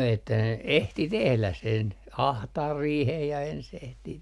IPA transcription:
etːæ ne ehti tehlæ sen ɑhtɑːr riːhej jɑ ens ehtiː

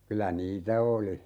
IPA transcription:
kylæ niːtæ oli

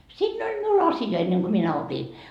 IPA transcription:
siːnː olʲ miul ɑsjɑ enːeŋ ɡ̊o minæ opi

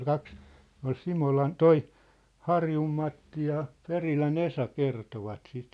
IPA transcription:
kɑks ne ol simolɑn toi hɑrjum mɑtːi jɑ perilæn esɑ kertoʋɑt sit

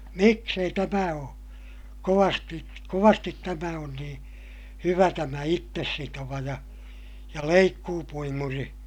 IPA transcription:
miks ei tæmæ oː koʋɑsti koʋɑstit tæmæ on nĩː hyʋæ tæmæ itːesːitoʋɑ jɑ jɑ leikːuːpuimuri

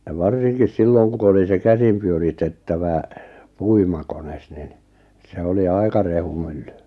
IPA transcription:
j̆ɑ ʋɑrsinkis silːoŋ ku oli se kæsim pyøritetːæʋæ puimɑkones nin se oli ɑi̞kɑ rehumylːy

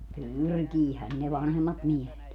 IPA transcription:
pyrkiːhæn ne ʋɑnhemːɑt miehet

